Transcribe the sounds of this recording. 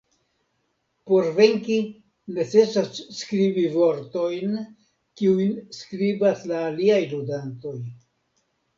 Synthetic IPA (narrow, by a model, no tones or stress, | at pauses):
po̞ɾve̞ŋki | ne̞t͡se̞sasːkɾibivo̞ɾto̞jn | kiujnskɾibaslaːliajludanto̞j